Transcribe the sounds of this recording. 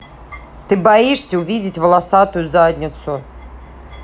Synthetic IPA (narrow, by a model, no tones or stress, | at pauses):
t̪ɨbaiʂsʲɐuvʲid͡zʲɪt͡sʲvɐlˠasat̪ujuzadʲnʲit̪sʊ